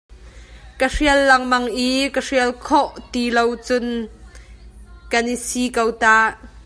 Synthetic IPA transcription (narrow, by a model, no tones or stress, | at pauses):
kəriəlːɐŋmɐŋʔikəriəlkʰɔʔt̪ilowt͡sʊn | kɐnisiːkowtaːʔ